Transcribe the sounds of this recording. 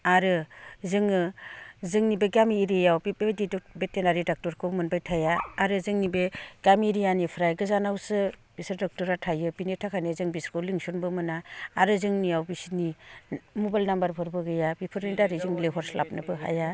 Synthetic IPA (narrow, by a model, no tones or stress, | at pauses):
aɾɯzɯŋɯzɯŋnibeɡamiːɾijawbbedidubetenaɾidak̚tɔɾkʰɯmɯnbajtʰajaːɾɯzɯŋnibeɡ̥amiːɾijanipʰɾajɡɯzanawsɯb̥isɯɾdɔk̚tɔɾatʰajɯbinetʰakʰanezɯŋbiskʰɔwliŋsunbɯmɯnaːɾɯzɯŋnijawbisini | mubajlnambaɾpʰɯɾbɯɡɯjabipʰɯɾnidaɾɯzɯŋleɦɔɾslʔa̰p̚nɯbɯɦa̰ja